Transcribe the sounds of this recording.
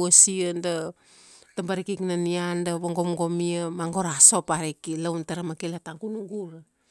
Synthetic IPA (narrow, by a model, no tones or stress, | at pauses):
asianda | tambaɾikiknaniandaβoŋɡomɡomiamaŋɡo̞ɾaso̞paɾikilawntaɾamakelataŋɡunuɡuɾa